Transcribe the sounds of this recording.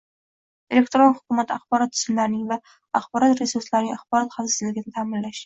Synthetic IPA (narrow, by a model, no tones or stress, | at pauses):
ele̞kt̪ɾonhʊ̥kumat̪ʰaχbɒɾɒt̪̚ːʰʊ̥zɪnlaɾnɪŋva | a̰χbɒɾɒt̪ɾesuɾslaɾnɪŋaχbɒɾɒt̪χasɪzlɪɡʲɪnɪt̪ʰaːmɪnlaʃ